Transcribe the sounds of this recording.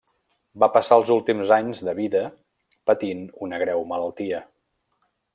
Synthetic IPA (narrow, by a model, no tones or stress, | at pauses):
bapəsaəlˠzulˠt̪imzaɲzðəβiðə | pət̪inunəɣɾɛwmələlˠt̪iə